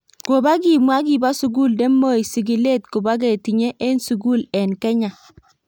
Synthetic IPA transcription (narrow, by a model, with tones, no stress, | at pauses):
ko˨ba˦ɡi˨mwa˦k̬i˨ba˦su˨ɡu˦˨ldɛ˦mo˦i˨sɪ˨ɡi˨le˦˨t̚kʊ˨ba˦ɡ̬ɛ˨ti˨ɲɛ˦ʔe˦nsu˨ɡu˦˨lɛ˨nkɛ˦ɲa˨